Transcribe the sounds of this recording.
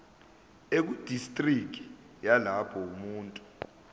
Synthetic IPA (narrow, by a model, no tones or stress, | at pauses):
ek̬ud̥ʱistʼrikʼi̥ | jalapʰɔumuːntʼu